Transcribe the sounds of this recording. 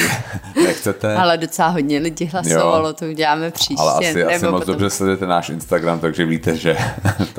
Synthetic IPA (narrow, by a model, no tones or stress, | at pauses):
ɛnɛxt͡sɛt̪ɛalɛdot͡sɛlaːɦoɟɲɛlɪɟɪɦlasjoovalot̪ouɟɛlaːmɛpr̥iːa̰lɛ̰ʔasɛɪaɪmot͡sdobrɛslɛdujɛt̪ɛnaːʃʔɪ̰nst̪aɡɾamt̪aɡʒɛviːt̪ɛʒɛt̪